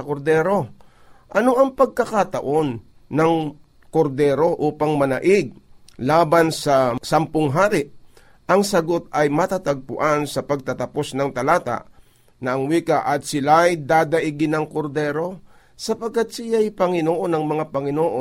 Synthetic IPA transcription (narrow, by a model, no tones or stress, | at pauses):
ɐkoɾd̪ɛːɾo̞ | ʔɐno̞ʔɐŋpɐɡ̚kɐkat̪ɐʔo̞nː | ɐŋ | ko̞ɾd̪ɛːɾo̞ʔuːpɐŋmɐnɐʔɪɡ̚laːbansɐsampʊŋɦaːɾɪʔ | ʔɐŋsɐɡo̞t̪̚ɐjmɐt̪at̪ɐɡ̚pʊʔansɐpɐɡ̚t̪ɐt̪ɐpo̞snɐŋt̪ɐlaːt̪a̰ʔ | nɐɐŋwiːkaʔɐt̪̚sɪlajd̪aːd̪ɐʔɪɡɪnɐŋkoɾd̪ɛːɾo̞ | sɐpɐɡ̚kːat̪̚sɪjajpɐŋɪnoːʔonɐŋmɐŋapɐŋɪnoːʔo